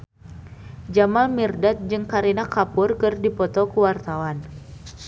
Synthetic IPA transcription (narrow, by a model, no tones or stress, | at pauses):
d͡ʒamalmirdat̪̚d͡ʒɨŋkaɾinakapʊrkɨrdipɔt̪ɔkuwart̪awan